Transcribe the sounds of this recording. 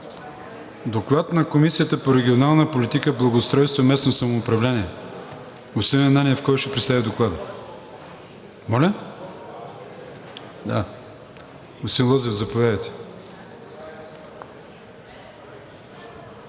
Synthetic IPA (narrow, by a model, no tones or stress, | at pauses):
d̪oklˠat̪nɐkomisijət̪əpoɾɛɡʲionalˠnəpolʲit̪ikəblˠɐɡost̪ɾɔjst̪vomɛsnosɐmoːpɾɐvlʲɛniɛ | ʊsiɛnanʲiɛfkɔjʃt̪ɛpɾɛt̪st̪avid̪oklˠad̪ə | mɔlʲə | d̪a̰ | osinlˠɔzɛvzɐpovʲjad̪ɐjt̪ɛ̥